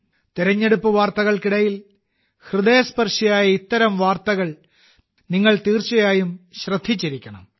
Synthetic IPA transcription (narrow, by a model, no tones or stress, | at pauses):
t̪iɾɐɲːe̞ɽupːɐʋaːrt̪ɐɣɐɭkiɽɐjil | hrɨðeːɐspɐrʂɐjaːjɐit̪ːɐɾɐmʋaːrt̪ɐɣɐɭ | niŋːɐɭt̪iːrt͡ɕɐjaːjumɕrɐd̪ʱːit͡ɕːiɾikʲːɐɳɐ̰m